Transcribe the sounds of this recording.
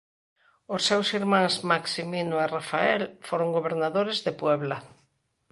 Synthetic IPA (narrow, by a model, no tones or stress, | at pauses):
osːewsiɾmãŋsmaksiminoerafaɛlfoɾoŋɡoβeɾnaðoɾezðepwɛβla